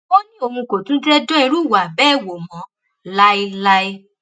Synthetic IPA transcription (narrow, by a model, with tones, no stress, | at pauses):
o˦nĩ˦o˧mũ˧ko˨tũ˨˦dɛ˦dɔ̃˦ĩ˧ɾu˦˨wa˨bɛ˦˨wo˨mɔ̃˨˧˦ | la˦i˦la˦i˦